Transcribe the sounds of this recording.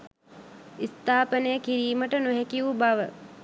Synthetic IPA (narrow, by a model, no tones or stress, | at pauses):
ist̪aːpənəjəkiɾiːməʈənuɦɛkiubaʋə